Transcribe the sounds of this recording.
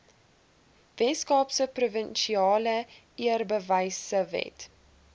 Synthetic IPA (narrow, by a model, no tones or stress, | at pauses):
vɛskɑːpsəpruvənʃiɑːlə | iərbəvɐjsəvɛ̰t